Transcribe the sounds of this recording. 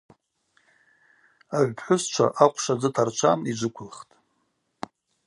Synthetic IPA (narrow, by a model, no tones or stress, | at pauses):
aʕʷpʰħʷʊst͡ʃʷʰa̰ʔaqʷʰʂad͡zɨtʰart͡ʃʷʰamid͡ʒʷʊkʷʰʊlχtʼ